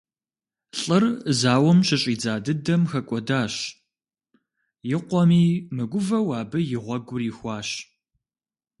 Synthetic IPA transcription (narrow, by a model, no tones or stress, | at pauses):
ɬʼɨrzaːwɔmɕɪɕʼiːd͡zaːdɨdɐmxɐkʷʼɔdaːɕ | jɪqʷɔmiːmɨɡʷʊvɐwɑːbɨjɪʁʷɔɡʷʊriːxʷɑːɕ